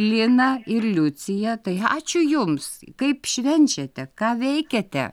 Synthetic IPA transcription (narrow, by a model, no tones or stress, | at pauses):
lʲɪnɐɪrlʲʊt͡sʲɪjɛt̪ɐɪɑ̰ːt͡ʃʲʊjʊmskɐɪpʃʲʋʲɛnʲt͡ʃʲɛt̪ʲɛkɑːʋʲɛɪkʲɛt̪ʲɛ̰